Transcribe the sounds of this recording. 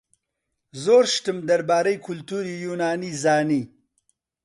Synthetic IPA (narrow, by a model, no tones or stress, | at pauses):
zoːɾʃʈ̪əmd̪ɐɾbaːɾɐjkʊlt̪uɾijunaːnizaːni